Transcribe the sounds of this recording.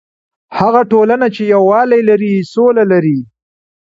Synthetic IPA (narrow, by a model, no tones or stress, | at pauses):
haɣaʈolanat͡ʃejawːɑlajlaɾisolalaɾi